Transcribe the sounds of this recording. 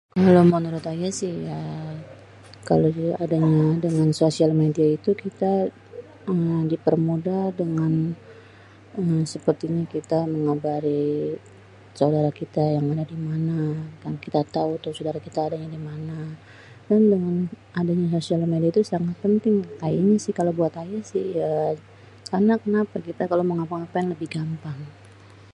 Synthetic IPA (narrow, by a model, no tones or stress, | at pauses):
kalomənuɾʊt̪ajasɪhja | ka̰loadaɲadəŋansosialmediait̪ukit̪a | ədipərmudadəŋan | əmsəpərt̪iɲakit̪aməŋabaɾi | saudaɾakit̪ajaŋadadimanakankit̪at̪aut̪usadaɾakit̪aːdaɲadimana | dandəŋan | adaɲas̬osialmediait̪usaŋat̪̚pənt̪ɪŋkajaɲasɪhkalawbuat̪ajasɪhja | karnakənapakit̪akaloməŋapaŋapaɛŋləbɪhɡampaŋ